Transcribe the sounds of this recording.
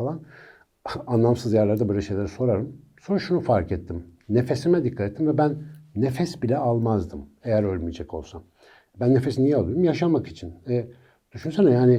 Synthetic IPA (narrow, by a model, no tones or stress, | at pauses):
alˠan | anlˠamsɯzjæɾlˠaɾd̪abuɾeʃejlʲˠeaɾiso̞ɾaɾɯm | so̞ɾuʃunufaɾkɛt̪ʰːimne̞fe̞simɛd̪ikʰːat̪ɛt̪ːimvɛbænːefɛsbilʲɛalˠmazd̪ɯmejæɾølʲmijd͡ʒɛkʰo̞̰lˠsa | bænːefesinijɛalˠujɾumjaʃamakit͡ʃʰinɛ | d̪̥yʃynsenɛjaːnɪ